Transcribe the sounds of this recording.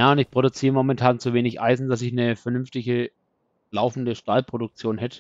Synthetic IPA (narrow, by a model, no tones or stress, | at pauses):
jaːʊntɪçpʁ̥oɾʊt͡siːʁəmɔmɛntʰaːnt͡suveːnɪçʔa̰ɪzn̩das̬ɪçnəfɛɐnʏnftɪçə | laʊfn̩dəʃtaːlpʁ̥odʊk̚t͡sjoːnhɛtʰə̥